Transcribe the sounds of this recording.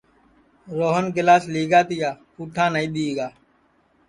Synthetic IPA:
ɾoːɦənɡɪlaːsliːɡaːt̪ɪjaːpuːʈʰãːnəĩːɗ̪iːɡaː

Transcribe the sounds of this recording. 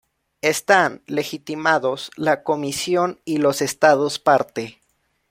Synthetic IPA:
e̞st̪anle̞xit̪imaðo̞slako̞misjo̞nilo̞se̞st̪aðospaɾt̪e

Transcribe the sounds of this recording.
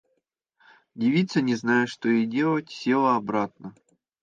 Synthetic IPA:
dʲɪvʲit̪sənʲɪznajɪʂt̪oɪdʲe̞lˠətʲsʲilˠəɐbɾat̪̚nə

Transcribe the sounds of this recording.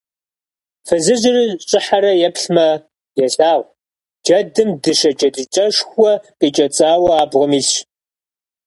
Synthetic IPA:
fɨzɨʑɪriɕʼɪħaɾɐjɛpɬmɐ | jɛɬaːʁʷ | d͡ʒɐdɨmdɨʃɐt͡ʃʼɐdɨt͡ʃʼɐʂxʷɔqʼeːt͡ʃʼɐt͡sʼaːwɐaːbʁɔmiːɬɕ

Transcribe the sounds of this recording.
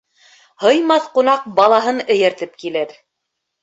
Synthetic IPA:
hɤ̆jmɑθqŭnɑq̚bɑlˠɑɦɤnɘ̆jæ̆ɾt̪ɘp̚kilɘɾ

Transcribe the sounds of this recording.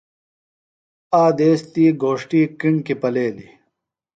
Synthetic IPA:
aːd̪eːst̪iːɡʱoːʂʈiːkiɳkipɐleːlḭ

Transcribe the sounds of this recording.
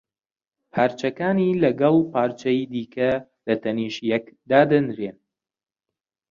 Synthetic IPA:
pʰaːɾt͡ʃɐkaːniːlɐɡɐlˠpʰaːɾt͡ʃɐjid̪iːkʰɐ | lɐt̪ʰɐniːʃjɐkd̪aːd̪ɨnɾeːn

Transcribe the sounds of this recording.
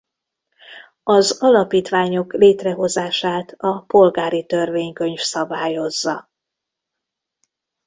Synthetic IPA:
ɒzɒlɒpiːt̪ʋaːɲo̞kleːt̪rɛɦo̞zaːʃaːt̪ɒpo̞lɡaːɾit̪ø̞rveːɲkøɲfsɒbaːjo̞zːɒ

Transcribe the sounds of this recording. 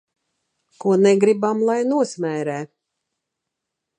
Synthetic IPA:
kuɔnɛɡɾibamlˠajnuɔsmɛːɾɛː

